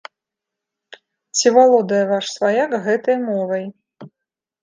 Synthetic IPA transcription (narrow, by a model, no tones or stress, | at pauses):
t͡sʲivalˠɔd̪ɐjɐvaʂsvajakɣɛt̪ɐjmɔvɐj